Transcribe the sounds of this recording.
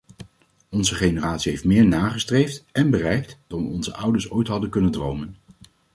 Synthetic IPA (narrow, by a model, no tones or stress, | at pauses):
ɔnzəχejnəraːtsiɦejftmɪːɹnaːχəstrejftɛnbərɛjk̚td̥ɑnʋəɔnzə̰ʔʌwdəɹsojtɦɑdəkɵnəndrowmən